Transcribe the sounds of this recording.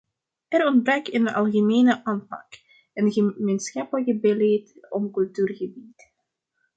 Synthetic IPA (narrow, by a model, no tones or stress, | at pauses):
ɛɾɔndbrœkənɑ̰lˠɣəmeːnəʔaːnpɑ̰k | ənɣəmeːnsxɑpələkəbəleːtɔmkɵlˠtyːrɣəbit